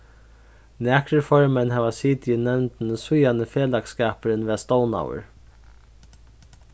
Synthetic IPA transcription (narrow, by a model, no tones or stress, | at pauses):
næːkɾəfɔɹmɛnɦɛːʋasiːt̪jɪnɛwnt̪nsʊjanəfeːlakskaːpəɾɪnʋɛːst̪ɔːwna̰ːwə̰ɹ